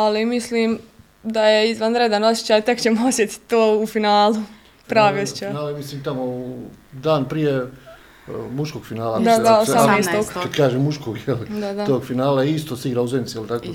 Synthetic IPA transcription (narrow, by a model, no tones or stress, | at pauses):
alimisliːm | d̪ajeizʋanɾed̪ano̞sʲjet͡ɕaːjt̪e̞kt͡ɕemoosjet̪i̥t̪oːufinaːlu | pɾaːʋiːosje̥t͡ʃajnaːlamisliːmt̪amod̪aːnpɾije | muʃkoːɡ̥finaːlad̪ad̪aosameːst̪oɡkad̪kaːʒemːuʃkoɡjelid̪ad̪at̪oːɡfinaːlaist̪osiɡɾauzenit̪sijelˠt̪akoː